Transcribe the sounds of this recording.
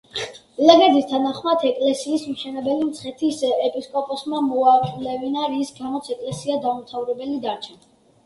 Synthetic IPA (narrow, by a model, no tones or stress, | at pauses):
lɛɡɛd̪ist̪ʰanaχmat̪ʰɛkʼlɛsiːsmʃɛnɛbɛlimt̪sʰχɛt̪ʰisɛpʼiskʼɔpʼɔsmamɔaɾqʼlɛvinaɾisɡamɔt̪sʰɛkʼlɛsiad̪aumt̪ʰavɾɛbɛlid̪aɾt͡ʃʰɛn